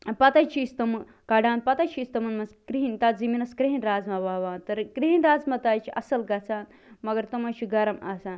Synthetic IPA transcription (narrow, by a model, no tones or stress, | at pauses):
pɐt̪ɐt͡ʃʰiːst̪ɐmɨ | kɐɖaːnpɐt̪ɐt͡ʃʰist̪ɐmɐnmɐskɾiɦint̪aziminɐskɾiɦinɾaːzmɐʋaːʋaːnt̪ɐɾkɾiɦinɾaːzmɐt̪aːjt͡ʃʰiɐsɐlɡɐt͡sʰaːn | mɐɡɐɾt̪ɐmɐt͡ʃʰiɡɐɾɐmaːsaːn